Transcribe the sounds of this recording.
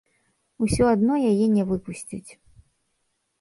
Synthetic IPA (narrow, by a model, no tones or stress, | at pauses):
usʲɔad̪nɔjajɛnʲɛvɨpusʲt͡sʲḭt͡sʲ